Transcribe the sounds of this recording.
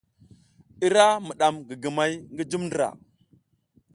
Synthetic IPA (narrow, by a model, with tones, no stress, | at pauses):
i˦ɾa˦mi˨ɗa˨mɡi˨ɡi˨ma˦jŋɡi˦d͡ʒu˦mndɾa̰˨